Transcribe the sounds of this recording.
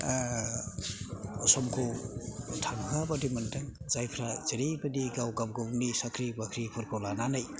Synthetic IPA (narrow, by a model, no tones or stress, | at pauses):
sɔmkʰo | tʰaŋkʰabadimɐndaŋzajpʰɾazɐɾibɐdiɡawɡawɡawnisakʰɾibakʰɾipʰuɾkʰɔlananaj